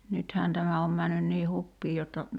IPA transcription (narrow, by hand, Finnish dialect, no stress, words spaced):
nythæːn tæmæ om mænːyn niː hupːiː jotːɑ